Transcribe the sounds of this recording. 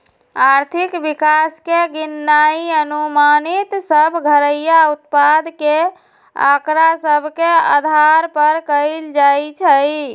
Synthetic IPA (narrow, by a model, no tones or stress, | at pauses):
aɾt̪ʰikbikaskeɡinːaiənumanit̪səbʱɡʱəɾəjaut̪̚pad̪ke | a̰kɾasəbʱkea̰d̪ʱaɾpəɾkəɪld͡ʒajt͡ʃʰəj